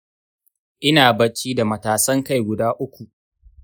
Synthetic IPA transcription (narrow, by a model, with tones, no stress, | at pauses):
ʔɪ˦naː˨bɐ˨t͡ʃːiː˦da˨mɐ˨taː˨sɐ˦ŋka˦˨jɡʷʊ˨daː˦ʔʊ˦kʷu˨ʔ